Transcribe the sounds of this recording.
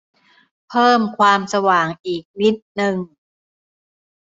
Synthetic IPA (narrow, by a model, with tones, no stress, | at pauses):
pʰɤː˥˩mkʰwaː˧msa˧waː˨˩ŋʔiː˨˩k̚ni˦˥t̪̚nɯ˨˧ŋ